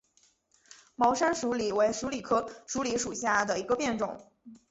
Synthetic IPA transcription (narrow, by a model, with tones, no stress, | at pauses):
mɑ˧˥ʊʂa˥nʂu˧˥li˨˩we˧˥ɪʂu˧˥li˨˩kʰɤ˥ʂu˧˥li˧˥ʂu˨˩ɕja˥˩d̪ə˩i˧˥ɡə˧pjɛ˥˩nʈ͡ʂʊ̰˨˩˦ŋ